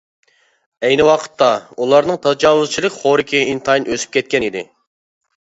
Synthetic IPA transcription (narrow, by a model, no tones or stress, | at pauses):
ɛjnɪwɑqʰə̥t̪ːɑulˠɑɾnɨŋt̪ʰɑd͡ʒɑːwʊz̥t͡ʃʰilˠɨkʲχoɾɪkʲʰiint̪ʰɑjnøsy̥p̚kʲʰɛt̪̚kʲɛnid̪ɪ̰